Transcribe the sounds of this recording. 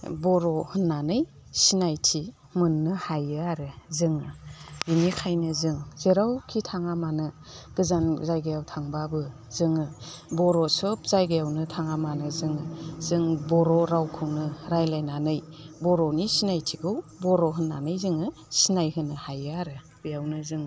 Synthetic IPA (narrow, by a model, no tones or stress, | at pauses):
bɔɾɔhɯnːanɯj | sinajtʰi | mɯnːɯhajɯaɾɯzɯŋɯbinikʰajnɯzɯŋz̥eɾawkʰitʰaŋamanɯ | ɡ̥ɯzanzajɡajawtʰaŋbabɯ | zɯŋɯbɔɾɔsɔpz̥ajɡajawnɯtʰaŋamanɯzɯŋɯzɯŋbɔɾɔɾawkʰɯwnɯɾajlajnanɯjbɔɾɔnisinajtʰiɡʰɯwbɔɾɔɦɯnːanɯjzɯŋɯ | sinajɦɯnːɯhajɯaɾɯbɯjawnɯzɯŋ